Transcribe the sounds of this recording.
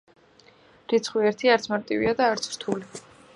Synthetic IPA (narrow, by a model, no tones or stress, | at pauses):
ɾit̪sʰχwiɛɾt̪ʰiaɾt̪sʰmaɾt̪ʼivḭad̪aːɾt̪sʰɾ̥t̪ʰuli